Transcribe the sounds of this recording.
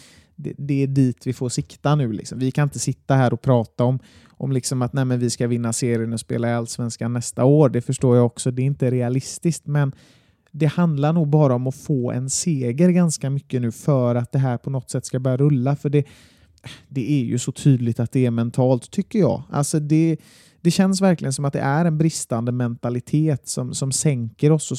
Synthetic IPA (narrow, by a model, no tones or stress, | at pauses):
d̪ɛd̪ɛːɖiːt̪vɪfoːʂɪkt̪ːanʉ̟ːlɪ̰ksɔmvɪkʰanɪnt̪əsɪt̪ːaɦæːɾʔɔpʰɾɑːt̪aɔm | ʔɔmlɪksɔmat̪næɪmɛnvɪskavɪnːaseːɾɪənɔspḛːlaalːsvɛnskanːɛst̪aoːɾɖɛfœʂʈoːjaɔksɔd̪ɛɾɪnt̪əɾɛalɪst̪ɪskt̪mɛn | d̪ɛhand̪laɾɳuːɡ̚bɑːɾaɔmɔfoːɛ̰nseːɡəɾɡanskamʏkːənʉ̟ːfœːɾat̪̚d̪ɛɦæːɾpʰɔnɔt̪ːsɛt̪ːskabœɾjaɾɵlːafœɖɛ | d̪ɛæɾjɵ̰sɔt̪ʰyːd̪lɪt̪at̪̚d̪ɛæɾmɛnt̪ʰɑːlt̪ʰːʏkːəjɑ̰ːa̰lsɔd̪ɛ | d̪̥ɛɕɛnsvæɾklɪɡənsɔmat̪̚d̪ɛ̰ʔæɾɛnbɾɪst̪and̪əmɛnt̪alɪt̪ʰeːt̪sɔmsɔmsɛŋkəɾɔsɔ